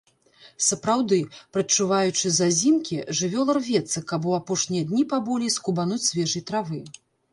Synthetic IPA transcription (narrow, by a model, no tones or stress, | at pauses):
sɐpɾawd̪ɨpɾɐt͡ʂːuvajut͡ʂɨzazʲimkʲiʐɨvʲɔlˠɐrvʲɛt̪sɨkabɔapɔʂnʲijɐd̪ʲnʲipabɔlʲiskubanut͡sʲsʲvʲɛʐɨjt̪ɾavɨ